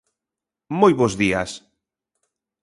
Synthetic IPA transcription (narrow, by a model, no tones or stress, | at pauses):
mojβozðias